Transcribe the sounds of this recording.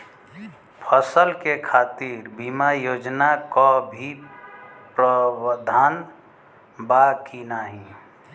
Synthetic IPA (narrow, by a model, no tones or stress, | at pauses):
pʰəsəlkekʰat̪iɾbimajod͡ʒnakɔbʱi | pɾəd̪ʱan | bakinaɦĩ